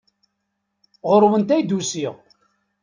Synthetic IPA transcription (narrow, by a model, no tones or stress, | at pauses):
ʁʊɾwənt̪æjd̪usiʁ